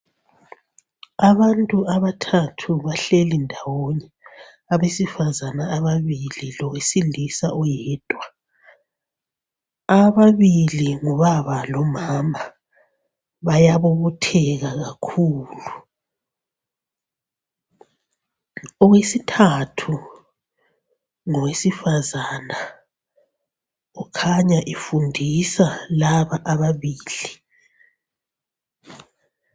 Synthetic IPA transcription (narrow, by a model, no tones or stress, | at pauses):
aβantʼuaβatʰatʰuβaɬelindʱawoɲɛ | aβesifazanaːβaβililɔwesilisaʔɔjɛːd̥ʼʱwa | aβaβiliŋɔβaβalɔmaːma | βajaβoβutʰɛɣaɣakʰuːlu | ɔɣwesitʰatʰu | ŋɔwesifazana | ɣukʰaɲaʔifundʱisalaβaʔaβaβiːli